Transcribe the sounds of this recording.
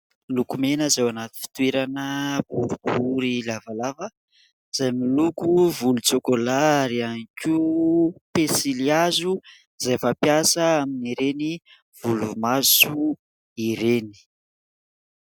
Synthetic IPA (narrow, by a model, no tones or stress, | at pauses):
lukumenəzewanat̪i̥fi̥t̪weɾanəbuɾubuɾilavalavə | z̥ajmilukuvulut͡sokolaɾianikʲi | pesiliazu | zajfapjasəaminiɾeni | v̥ulumasu | iɾeni̥